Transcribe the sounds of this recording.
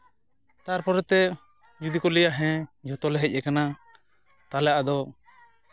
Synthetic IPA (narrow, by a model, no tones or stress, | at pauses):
t̪aɾpɔɾɛt̪ɛ | d͡ʒud̪ikɔlɛjaʔɦɛ̃d͡ʒɔt̪ɔlɛɦɛc̚ˀɛkana | t̪alaʔad̪ɔ